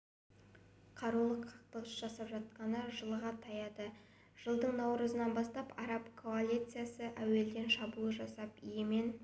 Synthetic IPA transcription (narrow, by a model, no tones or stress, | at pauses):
qʰɑɾulˠəqʰːɑ̥q̚t̪əʁəsʒɑsɑpʒɑt̪̚qɑnəʒəlˠʁɑt̪ʰɑjɑd̪ə | ʒ̥əlˠd̪əɴnɑwɾəzənɑnbɑst̪ɑpɑ̰ɾɑpkʰo̞alʲˠit̪sɨjasəʔæwe̞ld̪e̞nʃɑbulˠəʒɑsɑpijeme̞n